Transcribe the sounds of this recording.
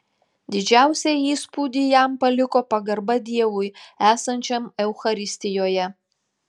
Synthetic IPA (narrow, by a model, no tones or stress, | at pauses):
d̪ʲɪd͡ʒʲæˑʊsʲɛiːspuːd̪ʲijæmpɐlʲɪkoːpɐɡɐɾbɐd̪ʲiɛʋʊɪæːsɐnʲt͡ʃʲɛmɛʊxɐɾʲɪsʲt̪ʲɪjoːjɛ